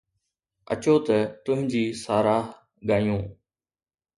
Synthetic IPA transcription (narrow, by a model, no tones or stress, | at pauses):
ə̰t͡ɕoːt̪ət̪ʊɦɪ̃d͡ʑiːsaːɾaːɦ | ɠaːjũː